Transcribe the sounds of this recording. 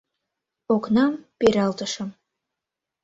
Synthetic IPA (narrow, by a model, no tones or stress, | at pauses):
oknɑmpeɾɑlˠt̪ə̆ʃəm